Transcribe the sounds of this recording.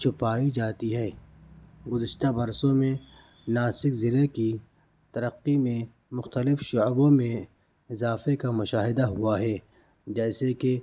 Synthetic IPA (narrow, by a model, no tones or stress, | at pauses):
t͡ʃʰʊpaːid͡ʒaːt̪iɦɛː | ɡʊzɪʃt̪abɐɾsõmẽ | naːsɪkzɪleki | t̪ɐɾəqːimẽ | mʊxt̪əlɪfʃʊbõmẽ | ɪzaːfekamʊʃaːɦɪd̪aɦʊaɦɛː | d͡ʒɛːseke